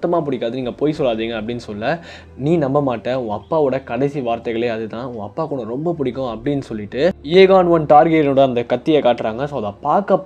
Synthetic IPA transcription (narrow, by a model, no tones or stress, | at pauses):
t̪ːɐmaːpʊɽɪkːaːðɯniːŋɡɐpoːjsɔlːaːðiːŋɡɐɐpːɐɽɪnːɯsɔlːɐ | niːnɐmbɐmaːʈːẽʊ̃ːɐpːaːɔɽɐkɐɽɐɪsiʋaːɾt̪ɐɪɣɐɭeːɐðɯt̪ãːʊ̃ːɐpːaːkʊɳɐ̃ɾɔmbɐpʊɽɪkːʊ̃ɐpːɐɽɪnːɯsɔlːɪʈːɯeːɣaːnʋɐnʈaːɾɡeʈnoːɽɐɐnd̪ɐkɐt̪ːɪjekaːʈːɪɾaːŋɡɐsɐːðaːpaːɾkɐpː